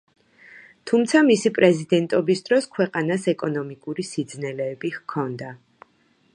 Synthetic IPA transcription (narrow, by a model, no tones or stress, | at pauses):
t̪ʰumt̪sʰamisipʼɾɛzid̪ɛnt̪ʼɔbisd̪ɾɔskʰwɛqʼanasɛkʼɔnɔmikʼuɾisid̪znɛlɛːbihkʰɔnd̪a